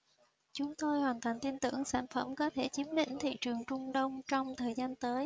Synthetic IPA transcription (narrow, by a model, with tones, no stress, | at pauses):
t͡ɕʊ˨˦ŋ͡mt̪o˧jhwaː˨˩nt̪ʰa˨˩jŋ̟t̪i˧nt̪ɨ̰˧˩əŋsa̰ː˧˩nfə˧˩mkɔ˨˦t̪ʰe˧˩t͡ɕi˨˦əmɗḭ˧˩ŋ̟t̪ʰḭ˧˨t͡ɕɨ˨˩əŋt͡ɕʊ˧ŋ͡mɗə˧wŋ͡mt͡ɕɔ˧wŋ͡mt̪ʰəː˨˩jzaː˧nt̪əː˨˦j